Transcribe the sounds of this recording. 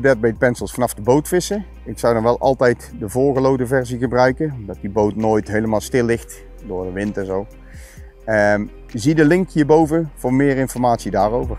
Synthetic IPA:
bɛt̚bɛjdəpɛnsəlˠsfɑnɑfdəbowtfɪsə | ɪksʌwdɑnʋɛlˠʔɑ̰lˠtɛjtdəvoːɹɣəlowdəvɛɹziɣəbrœɥkəɔmdɑt̚dibowtnoːjtɦejləmaːlˠstɪlːɪxt | dʊːɹdəʋɪntɛnzow | ə | zidəlɪŋkhiːəɹbowvəv̥ʊːɹmɪːrɪnfɔɹmaːtsidaːrowvəɹ

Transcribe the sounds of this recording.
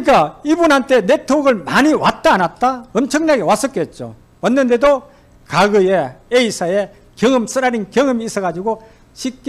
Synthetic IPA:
ik͈aibunɦantʰe̞ne̞tʰoɡɯɭmaɲiwat̚t͈aːnat̚t͈aʌmt͡ɕʰʌŋɲaɡewas͈ʌk͈e̞t̚t͡ɕ͈o̰ | wʌnːɯnde̞do | kaɡɯjeeisʰaje | kjʌŋɯms͈ʰɯɾaɾiŋkjʌŋɯmis͈ʰʌɣad͡ʑiɡo | ɕʰip̚k͈

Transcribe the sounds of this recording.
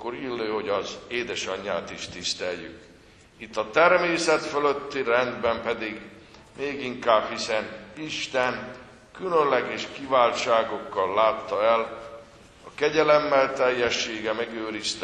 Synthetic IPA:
kːoɾilːøːho̞ɟɒzeːd̪ɛʃɒɲːa̰ːt̪iʃt̪ist̪ɛjjy̰k | it̪ːɒt̪ɛrmeːsɛt̪føløt̪ːirɛnd̪bɛmpɛd̪iɡ | meːɡiŋkaːb̥hisɛniʃt̪ɛn | kylønlɛɡɛʃkivaːlt͡ʃaːɡo̞kːɒlːaːt̪ːɒɛl | ɒkɛɟɛlɛmːɛlt̪ɛjːɛʃːeːɡɛmɛɡøːɾist̪

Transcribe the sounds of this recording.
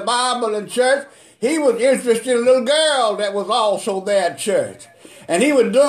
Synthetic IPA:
baɪbl̩ˠɨ̃nt͡ʃʰɜ˞t͡ʃ | hiwʌzɪ̃nt͡ʃɹ̥ɨstɨ̃nəlɪɾl̩ˠɡɜ˞lˠðɨt̚wʌzɔlˠsoʊðɨt̚t͡ʃʰɜ˞t͡ʃ | ʔɨ̃niwədu

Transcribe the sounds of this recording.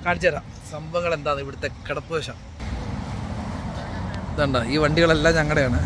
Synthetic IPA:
kaːɽt͡ɕːɐɾa | sɐmbɐŋːɐɭe̞nd̪aːðiʋiɽɐt̪ːe̞keɽɐpːuʋɐɕɐm | ðɳɖɐiːʋɐɳɖiɣɐɭelːaːɲɐŋːɐɽejaːɳɨ

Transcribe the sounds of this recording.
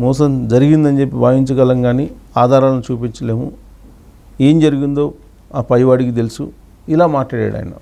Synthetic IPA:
mɔːs̬ɐmd͡ʒɐɾiɡind̪ɐɲd͡ʒe̞pːibaːjiɲt͡ʃɐɡɐlɐŋɡaːniːaːd̪ʱaːɾaːlɐnut͡ʃuːpiɲt͡ʃɐle̞ːmu | e̞ːmd͡ʒɐɾuɡind̪o̞ː | aːpɐjʋaːɽikit̪̬elisṵ | ilaːmaːʈlaːɽa̰ːɽɐ̰ːj̰nɐ̰

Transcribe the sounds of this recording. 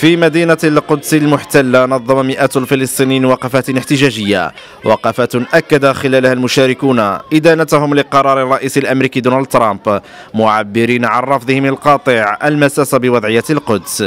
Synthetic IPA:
fimæd̪iːnalqʊd̪salmʊħt̪alːanɑðˤːɑmamɪʔæːt̪lfilɨsˤt̪ˤiniːnwɑqɑfat̪nɪħt̪ɪʒæʒəjːa̰ | wʔɑ̰qɑfaːt̪ʔakːad̪axɪlæːlhælmʊʃæːɾɪkuːnʔɪd̪ænat̪hʊmlɪqɑɾˤɑːɾˤɪrˤːɑʔiːsɪlʔæmɾiːkiːd̪unald̪̚t̪ɾˤɑmp | mʊʕabːɪɾiːnʕanˤɑfd̪ˤəhɪmlqɑːt̪ˤəʕʔəlmæsæːsabɪwɑd̪ˤʕəjːalqʊd̪s

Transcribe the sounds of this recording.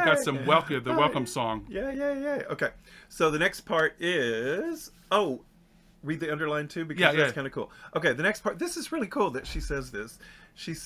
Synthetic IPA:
ɑtsʌ̃mwɛlˠθiəðəwɛlˠkə̃msɔ̃ŋjæjæjæoʊkʰeɪsoʊðɨnɛkspʰɑɹɾɪz̥ | oʊ | ɹid̪̚ðiʌ̃ndə˞lãɪ̃ntʰʉbɨkʰʌzækʰãɪ̃ndɨkṵlˠʔoʊkeɪðɨnɛkspʰɑɹt̪̚ðɪsɨzɹɪlˠikʰulˠðɨtʃisɛzðɪsʃis

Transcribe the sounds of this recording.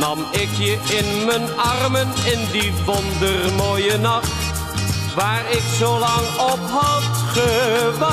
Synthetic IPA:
nɑmɪkjəʔɪnmənɑrmənɪndiʋɔndərmoːjənɑχt | ʋaːrɪksowlɑŋɔpɦɑtχəʋɑ

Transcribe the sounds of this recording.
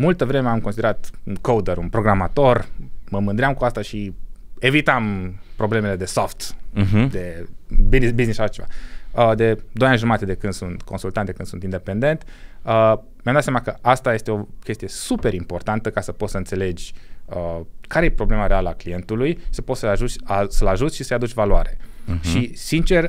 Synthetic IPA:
mult̪əvɾe̞meamko̞nsid̪eɾat̪unkowd̪əɾunpɾo̞ɡɾamat̪o̞rməmɨnd̪ɾeamkuast̪aʃi | e̞vit̪ampɾo̞blemele̞d̪e̞soft̪̩ɦd̪e̞bbiznisʃaʃat͡ʃe̞va̰əd̪e̞d̪ojanʒumat̪ed̪e̞kɨnd̪sunt̪kʰo̞nsult̪and̪ekɨnd̪sunt̪ind̪e̞pe̞nd̪e̞nt̪ə | mjamd̪at̪samakəʔast̪aje̞st̪e̞o̞kʲest̪ijesupe̞ɾimpo̞rt̪ant̪əkasəpot̪səɨnt̪se̞le̞d͡ʒʲəkaɾejepɾo̞ble̞maɾe̞aləaklije̞nt̪ulujʃi̥sə̥pot̪səaʒut͡ʃʲasəlaʒut̪ʲʃisəjad̪ut͡ʃʲvalua̰ɾe̞ʃisint͡ʃe̞r

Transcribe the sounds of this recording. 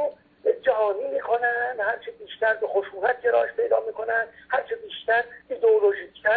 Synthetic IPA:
bed͡ʒæɦɒːniːmiːkʰo̞nænd̪hæɾt͡ʃʰebiːʃt̪æɾbexoʃuːnæt̪̚ɟeɾɒ̰ːʃpʰe̞jd̪ɒ̰ːmiːkʰo̞nænd̪hæɾt͡ʃʰebiːʃt̪æɾiːd̪eoloʒiːk̪ʰːæ

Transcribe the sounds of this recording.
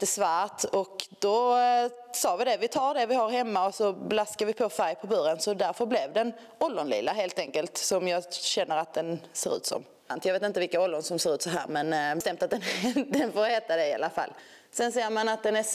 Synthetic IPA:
ɛsvæːɾt̪ɔkd̪̥ɔ | sɑːvɪd̪ɛvɪt̪ʰɑːɖɛvɪhaɾhɛmːaɔsɔblaskaɾvɪpʰofæɾjpʰɔbœɾənsɔd̪æɾfœɾblɛvd̪ɛn | ɔld̪ʊnlɪ̰ːlːaɦeːlt̪ɛŋkəlt̪sɔmjɑːɡɕɛnːəɾat̪̚d̪ɛnsḛːɾʉ̰ːt̪sɔ̰m | nt̪jɑveːt̪ɪnt̪əvɪlkaɔld̪ʊnsɔmseːɾʉ̟t̪sɔɦæ̰ːɾmɛnt̪ɛmt̪at̪̚d̪ɛnd̪ɛnfoːɾheːt̪ad̪ɛɪa̰lːafa̰lː | sɛnseːɾmanat̪̚d̪ɛnæ

